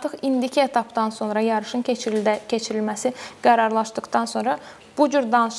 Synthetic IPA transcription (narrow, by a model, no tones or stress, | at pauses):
t̪ɯχind̪icʰiet̪ʰɑpd̪ɑnso̞nɾɑjɑɾɯʃɯnet͡ʃʰɾid̪æcʰe̞t͡ʃʰiɾilmæsiɡ̥æɾɑɾlˠɑʃd̪ɯqd̪ɑnso̞nɾɑ | b̥ud͡ʒyɾd̪ɑnɯʃ